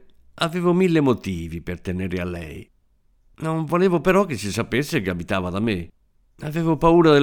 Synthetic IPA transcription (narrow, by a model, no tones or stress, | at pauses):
aveːvomilːemot̪iːvipert̪eneɾɪalːɛ̰j | noɱvoleːvopeɾɔk̟ːesːisapesːekeabit̪aːvad̪amːe | aveːvopauːɾad̪el